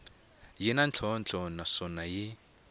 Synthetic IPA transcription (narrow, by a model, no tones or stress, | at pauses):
jɛnant͡ɬʰɔnt͡ɬʰɔnasɔnaji